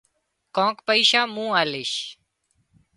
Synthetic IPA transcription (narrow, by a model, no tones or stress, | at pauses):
kõːkpəiːʃaːmũːaːleːʃ